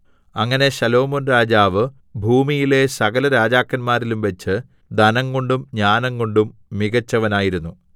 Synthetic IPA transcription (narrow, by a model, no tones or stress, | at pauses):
ɐŋːɐne̞ɕɐlo̞ːmonraːd͡ʑaːʋɨ | bʱuːmijile̞sɐɣɐlɐɾaːd͡ʑaːkːɐnmaːɾilumʋeɐt͡ɕːɨ | d̪ɐnɐŋːo̞ɳɖumɲaːnɐŋːo̞ɳɖumːiɣɐt͡ɕːɐʋɐnaːjiɾunːu